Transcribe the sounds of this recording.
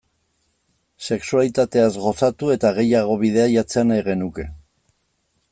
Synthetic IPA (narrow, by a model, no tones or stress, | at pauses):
se̞ksualit̪at̪e̞azɣo̞sat̪ue̞t̪aɣ̞e̞jaɣ̞o̞βiðeajat͡se̞anajɣe̞nuke̞